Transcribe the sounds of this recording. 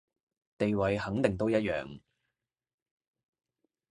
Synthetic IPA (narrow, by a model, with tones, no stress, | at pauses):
t̪e˨jwɐ˨˧jɦɐ˨˥ŋt̪ɪ˨ŋt̪o˥wjɐ˥t̚jœ̰ː˨ŋ